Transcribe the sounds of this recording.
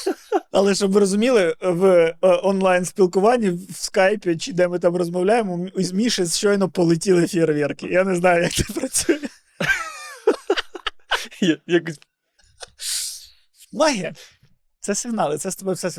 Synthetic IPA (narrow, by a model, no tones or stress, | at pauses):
ɐlˠɛʃɔbmɪɾɔzʊmʲilˠɪʋɔnlˠɑjnspʲilˠkʊʋɑnʲːiwskɑjpʲɪt͡ʃɪd̪ɛmɪt̪ɑmrɔzmɔwlʲajemɔizmʲiʃɪzt͡ʃɔjnɔpɔlˠɪtʲilˠefʲiɾʋʲirkɪjaneznɑjʊjɐk̚t̪ɛ̥pɾɐt͡sʲujɛ | jjɐkʊsʲ | mɐɦʲi | t̪sɛsɪɦnɑlˠɪt̪sɛst̪ɔbɛfsɛs